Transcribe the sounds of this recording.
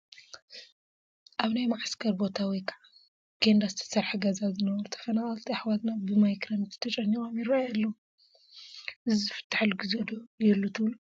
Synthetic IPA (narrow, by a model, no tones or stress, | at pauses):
ʔaβnajmaʕskʰɐɾbo̞t̪ʰawijkʰɐʕa | ɡ̥end̪ast̪ʰɐ̥sɐɾħɡɐzazɨnɐβɐɾut̪ʰɐ̥fɐnaχʼɐlt̪ʰiaħwat̪nabɨmajkɾɐmt̪ʰi̥t̪ʰɐt͡ʃʼɐnːikʼomjɪɾajalːɐu | ʔɨzɨfɨ̥t̪ʰːḁħlɡɨzed̪ojɛlːut̪ʰɨβlu